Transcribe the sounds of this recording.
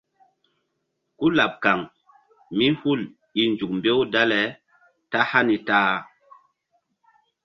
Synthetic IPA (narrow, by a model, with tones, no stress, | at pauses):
ku˦la˨p̚ka˨ŋ | mi˦hu˦˨l | i˨nd͡ʒu˨kmbe˦wda˦lɛ˨ | ta˦ha˦ni˨ta˦